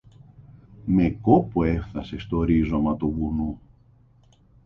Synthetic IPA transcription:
me̞ko̞poe̞fθɐse̞st̪oɾizo̞mɐt̪uɣunu

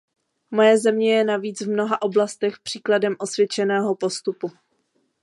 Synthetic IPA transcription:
mo̞jɛzɛmɲɛjɛnaviːt͡svmno̞ɦaʔo̞blast̪ɛxpr̝̥iːkladɛmʔo̞svjɛt͡ʃɛnɛːɦo̞po̞st̪upu

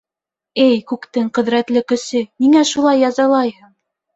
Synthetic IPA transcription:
ɘjkʉkt̪ɘŋqɵ̆ðɾæt̪lɘkɵ̆sɘniŋæʃulˠɑjːɑzɑlˠɑjhɤɴ

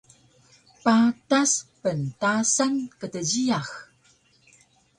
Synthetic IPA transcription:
pataspəntasankətəd͡ʑijax

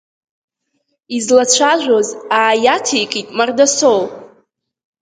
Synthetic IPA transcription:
izlat͡ɕʷʰaʒᶣʷozaːjatʰejkʼitʼmardasol

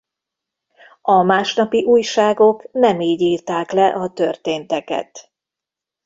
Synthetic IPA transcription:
ɒmaːʃnɒpiʔuːjʃaːɡo̞knɛmiːɟiːrt̪aːklɛʔɒt̪ørt̪eːnt̪ɛkɛ̰t̪

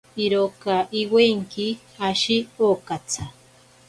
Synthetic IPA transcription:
iɾokaʔiweŋki | aʃiokat͡sʰa

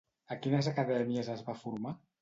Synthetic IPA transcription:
əkinəzakaðɛmiəzəzβafuɾma

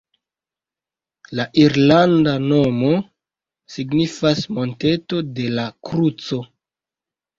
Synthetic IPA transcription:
laʔiɾlandano̞mo̞ | siɡnifasmo̞nte̞to̞de̞lakɾut͡so̞

